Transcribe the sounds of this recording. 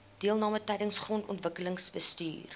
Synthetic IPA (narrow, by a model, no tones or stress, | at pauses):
d̥iəlˠnɑːmətɛjdəŋsχrɔntɔ̰ntvəkələŋsbəsty̰ːr